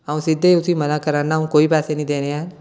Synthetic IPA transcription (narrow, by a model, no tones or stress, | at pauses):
aũsɪd̪ʱːeʊsimənakəɾanaũkoːipaːsenəĩd̪eːneaːn